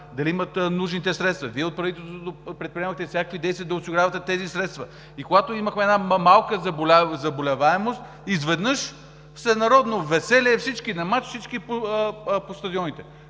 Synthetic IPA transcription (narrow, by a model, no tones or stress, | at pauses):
d̪ɐliimɐt̪nuʒnit̪ɛsɾɛt̪st̪vɐviɛot̪̚pɾɐvit̪ɛlˠst̪ot̪opɾɛt̪̚pɾiɛməxt̪ɛfsʲjakə̥kvid̪ɛjst̪vʲiəd̪ɐosiɡɾavɐt̪ɛt̪ɛzisɾɛt̪st̪vɐ | ikoɡat̪oiməxmɛɛnamalˠkəzɐbolʲazɐbolʲɛvaɛmost̪ | izvɛd̪nɤʃ | fsɛnɐɾɔd̪novɛsɛlʲiɛfsit͡ʃkinɐmat͡ʃfsit͡ʃkipopost̪ɐd̪iɔnit̪ɛ